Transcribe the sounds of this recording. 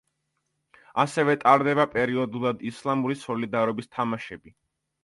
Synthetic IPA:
asɛvɛt̪ʼaɾd̪ɛbapʼɛɾiɔd̪ulˠad̪islˠamuɾisɔlid̪aɾɔbist̪ʰamaʃɛbi

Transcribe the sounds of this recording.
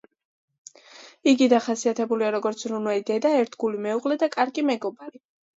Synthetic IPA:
iɡid̪aχasiat̪ʰɛbuliaɾɔɡɔɾt̪sʰɾunwɛlid̪ɛd̪aɛɾt̪ʰɡulimɛuʁlɛd̪akʼaɾɡimɛɡɔbaɾi

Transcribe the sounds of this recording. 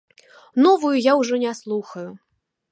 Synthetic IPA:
nɔvujujawʐɔnʲaslˠuxɐju

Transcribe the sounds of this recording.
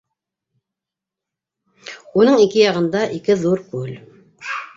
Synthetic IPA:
unɤɴikɘjɑʁɤ̆nd̪ɑʔikɘðuɾkʉl

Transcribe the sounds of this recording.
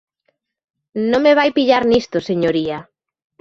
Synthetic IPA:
nõŋmeβ̞ajpiʎaɾnist̪oseɲoɾia

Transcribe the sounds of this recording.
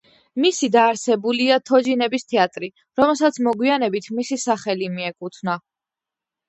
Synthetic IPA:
misid̪aːɾsɛbuliat̪ʰɔd͡ʒinɛbist̪ʰɛat̪ʼɾi | ɾɔmɛlˠsat̪sʰmɔɡwianɛbit̪ʰmisisaχɛlimiɛkʼut̪ʰna

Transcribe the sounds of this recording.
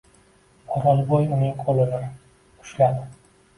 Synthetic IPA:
ɒɾɒlˠbojʊnɪŋqʰolˠɪnɪ | ʊ̥ʃlad̪ɪ

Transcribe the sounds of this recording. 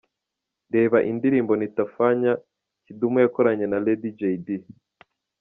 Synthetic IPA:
de̞ːβaʔindiɾiːmbo̞nitafaɲa | cidumujakoɾaɲe̞naledid͡ʒejdi

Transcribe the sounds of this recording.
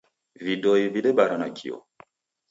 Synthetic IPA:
vidɔiviɗɛbaɾanakʰḭɔ̰

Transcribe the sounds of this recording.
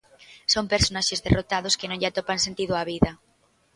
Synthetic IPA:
sompeɾsonaʃezðerot̪aðoskenõŋʎat̪opansent̪iðoaβiða

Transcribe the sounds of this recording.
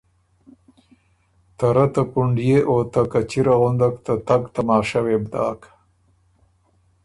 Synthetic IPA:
t̪aɾat̪apuɳɖijeʔot̪akat͡ʃiɾaɣʊnd̪akt̪at̪aɡt̪amɑːʃawebd̪ɑ̰ːk

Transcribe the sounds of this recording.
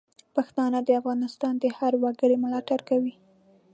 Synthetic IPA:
paxt̪ɑnad̪əafɣɑnɪst̪ɑnd̪əhaɾwaɡəɽemʊlɑʈaɾkawi

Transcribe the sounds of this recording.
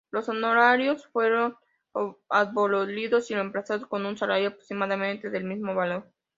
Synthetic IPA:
lo̞sonoɾaɾjosfwe̞ɾo̞n | aðβololiðo̞silempɾasaðosko̞nunsalaɾjoapɾoksimaðamẽnt̪eðe̞lmizmo̞βalo̞ɾ

